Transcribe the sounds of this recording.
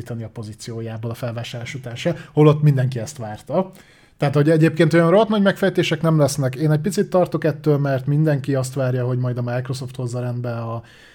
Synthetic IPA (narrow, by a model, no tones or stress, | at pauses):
iːt̪ɒniɒpo̞zit̪sijoːjaːboːlɒfɛlvaːʃaːrlaːʃut̪aːʃɛholo̞t̪ːmind̪ɛŋkiɛst̪ʋaːrt̪ɒ | t̪ɛaːt̪ho̞ɟɛɟeːp̚keːnt̪ojɒnroɦɒt̪nɒɟmɛkfɛjt̪eːʃɛknɛmlɛsnɛkeːnɛc̚pit̪sit̪ːɒrt̪o̞kɛt̪ːøːlmɛrt̪mind̪ɛŋkiɒst̪ʋaːrjɒɦo̞ɟmɒjd̪ɒmajkro̞so̞ft̪ho̞zːɒɾɛnd̪bɛɒ